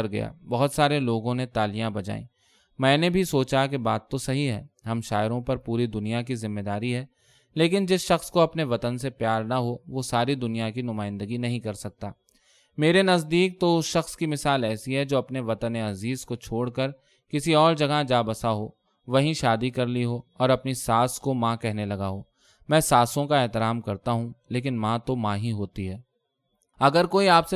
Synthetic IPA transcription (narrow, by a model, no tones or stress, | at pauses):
ɾɡɐ̰ja̰bɐɦʊt̪saːɾeloːɡõnẽt̪aːlijãbɐd͡ʒa̰ːḭ̃ː | mɛ̃ːnebʱisoːt͡ʃakebaːt̪ːosɐɦiɦɛ̰ːɦɐmʃaːɪɾõpɐɾpuːɾid̪ʊnijakizɪmːed̪aːɾiɦɛː | leːk̬ɪnd͡ʒɪsʃɐxskoɐpneʋɐt̪ənsepjaːɾnaɦoʋosaːɾid̪ʊnijakinʊmaːɪ̃nd̪əɡinɐɦĩkɐɾsɐk̚t̪aː | meːɾenɐzd̪iːk̚t̪oʊsʃɐxskimɪsaːlɛːsiɦɛd͡ʒoːɐpneʋɐt̪əneɐziːzkot͡ʃʰoːɽkəɾ | kɪsiɔːɾd͡ʒɐɡad͡ʒaːbəsaɦo | ʋɐɦĩʃaːd̪ikɐɾliɦoːɔːɾɐpnisaːskomãːkɛɦnelɐɡaɦoː | mɛ̃ːsaːsõkaɛːt̪ɪɾaːmkɐɾt̪aɦũleːk̬ɪnmãːt̪omãːɦiɦoːt̪iɦɛː | ɐɡəɾkoːiaːpse